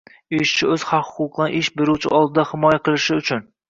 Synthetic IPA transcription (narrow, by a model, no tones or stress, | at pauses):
ɪʃt͡ʃʰɪɵz̥hɑqhʊ̥qʰʊq̚d̪nɪʔɪʃbeɾuwt͡ʃʰɪ̰ʔɒlˠd̪ɪd̪ahɪmɒjaqʰɨlˠɪʃɪʊt͡ʃʰʊn